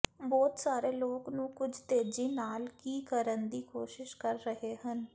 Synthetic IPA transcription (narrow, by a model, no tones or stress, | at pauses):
bɔːt̪saːɾeːloːknũːkʊd͡ʒʱt̪eːd͡ʒiːnaːlkiːkəɾənd̪iːkʰoːʃɪʃkəɾːəɦeːɦən